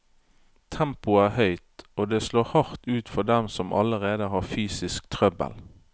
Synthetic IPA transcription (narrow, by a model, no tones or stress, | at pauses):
t̪ʰɛmpʊæːhœʏt̪oːd̪eːsloːhɑʁt̪ʉːt̪fɔd̪ɛmsɔmʔɑ̰ləʁeːd̪əhɑːfyːsɪskt̪ʰʁœbə̰l